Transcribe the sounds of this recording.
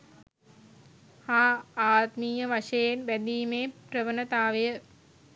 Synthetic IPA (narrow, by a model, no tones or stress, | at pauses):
haːaːt̪miːjəʋaʃɐjenbæd̪iːmeːprəʋənət̪aːʋəjə